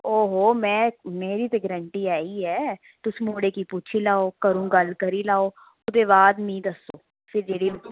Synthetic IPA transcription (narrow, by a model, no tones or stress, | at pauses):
oːɦoːmɛ̃ːmeːɾiːt̪eɡəɾəɳʈiːaːiːɦɛː | t̪ʊsĩːmoːɽeːkiːpuːt͡ʃʰiːlaːoːkəɾũːɡəlkəɾiːlaːoː | ʊd̪eːβaːd̪mĩːd̪əsoː | pʰɪɾd͡ʒeːɽiː